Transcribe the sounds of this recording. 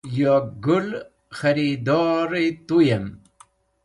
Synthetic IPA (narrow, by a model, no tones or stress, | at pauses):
joɡul | xɐɾid̪ɔːɾet̪ujem